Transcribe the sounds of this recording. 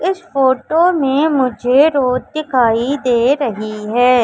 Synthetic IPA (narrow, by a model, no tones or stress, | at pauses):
ɪsfoːʈomẽmʊd͡ʒʱeɾoːzd̪ɪkʰaːid̪eːɾɐɦiɦɛː